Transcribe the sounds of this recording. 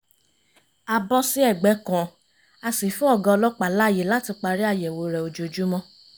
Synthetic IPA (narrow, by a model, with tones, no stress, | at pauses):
a˧bɔ˦si˦ɛ˦˨ɡ͡bɛ˨˦kɔ̃˨ | a˧si˨fũ˦ɔ˦˨ɡã˧ɔ˧lɔ˦k͡pa˨la˦˨je˨˦la˨˦ti˧k͡pa˧ɾi˦a˦˨jɛ˨wo˧˦ɾɛ˨o˧d͡ʒo˧˨d͡ʒu˦mɔ̃˦